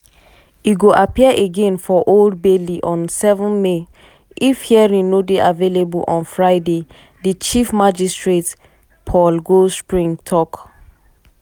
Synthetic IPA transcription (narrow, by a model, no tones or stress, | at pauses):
iɡoʔapiəʔeɡẽnfɔʔold̚beliʔɔ̃nsɛvɔ̃nme | ifhiɛɹĩŋnodeʔavelebulʔɔ̃nfɹaɪde | dit͡ʃifmad͡ʒistɹet | pʰɔlɡospɹĩŋtʰɔk